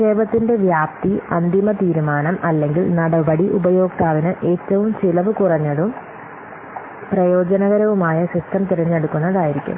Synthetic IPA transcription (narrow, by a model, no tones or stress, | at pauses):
seːʋɐt̪ːinde̞ʋjaːp̚t̪iɐ̰nd̪imɐt̪iːɾumaːnɐmɐlːe̞ŋɡilnɐɽɐʋɐɽiʔubɐjo̞ːk̚t̪aːʋinɨʔe̞ːtːɐʋumt͡ɕilɐʋɨkurɐɲːɐɽum | prɐjo̞ːd͡ʑɐnɐɣɐɾɐʋumaːjɐsisʈʰɐmt̪iɾɐɲːe̞ɽukːunːɐðaːjiɾikʲːṵm